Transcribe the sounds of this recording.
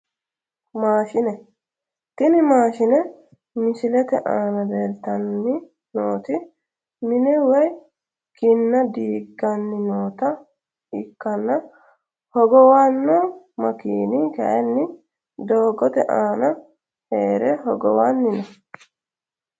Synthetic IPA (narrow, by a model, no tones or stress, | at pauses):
maːʃɪnɛ | t̪ɪnɪmaːʃɪnɛ | mɪsɪlɛt̪ɛʔaːnɐd̪eːlt̪ɐnːɪ | noːt̪ɪ | mɪnɛwɛj | kɪnːɐd̪iːɡːɐnːɪnoːt̪ɐ | ɪkːɐnːɐ | hɔɡɔwanːɔ | mɐkiːnɪkɐ̰ʔɛnːɪ | d̪o̞ːɡɔt̪ɛʔaːnɐ | heːɾɛɦɔɡɔ̰wanːɪnɛ